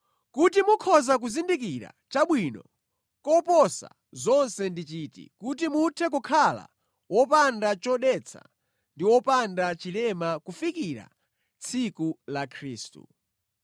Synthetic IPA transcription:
kutimukʰɔzak̬uzindik̬iɾa̰ | t͡ʃaɓwinɔ̰ | kɔpɔsa̰ | zɔnsɛndit͡ʃiːtḭkut̬imutʰɛk̬ɔkʰala̰ | wɔpandat͡ʃɔɗɛt͡sʰa̰ | ndiwɔpandat͡ʃilɛmakufikiɾa̰ | t͡sʰikulakʰɾiːstṵ

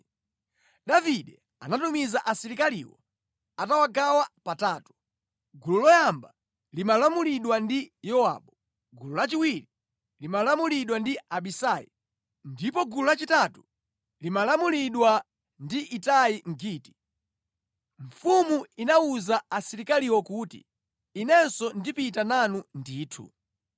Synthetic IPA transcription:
ɗaviɗɛ | a̰natumizaʔasiɾikalḭwɔ̰ | atawaɡawapataːtu̥ | ɡululɔjamba | limalamuliɗwandijɔa̰ːɓɔ | ɡululat͡ʃiwiɾi | limalamuliɗwandiaɓisajḭ | ndipɔɡululat͡ʃitatu̥ | limalamuliɗwa | ndiʔitajiŋ̩ɡiːti̥ | ɱ̩fumuinauzaasiɾikaliwɔkutḭː | nɛnsɔndipitananundiːtʰṵ

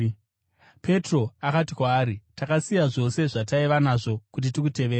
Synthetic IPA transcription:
pe̞tro̞akatikwaːɾitakasijaʐo̞se̞ʐataiʋanaʐo̞kut̬itikute̞ʋeːɾa

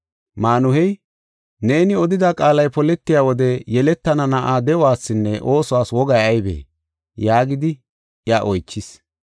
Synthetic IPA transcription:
maːnʊhɛj | ne̞ːnɪɔd̪ɪd̪akʼaːlɐjpɔlɛt̪ːɪjaːwɔd̪ɛjɛlɛt̪ːɐnɐnɐʔaːd̪ɛʊwaːsːɪnːɛʔo̞ːsʊwaːswɔɡɐjɐjbḛː | jaːɡɪd̪ɪ | ʔɪaʔɔjt͡ʃːɪs

